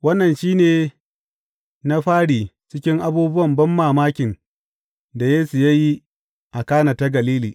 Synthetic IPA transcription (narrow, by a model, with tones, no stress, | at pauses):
wɐ˦nːɐ˨nʃiː˦neː˨ | na˦ɸaː˦ɽiː˨t͡ʃɪ˦kʲɪ˦ŋʔa˦buː˦bʊ˦wɐ˨mbɐ˦mːaː˨maː˦kʲɪ˨n | da˨jeː˦su˨ja˦ji˦ | ʔa˨kaː˦naː˨ta˦ɡɐ˨liː˦liː˨